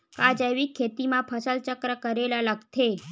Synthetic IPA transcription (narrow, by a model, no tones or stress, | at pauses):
kad͡ʒəjʋikʰːet̪imãpʰəsəlt͡ʃəkɾəkəɾelaləɡt̪ʰe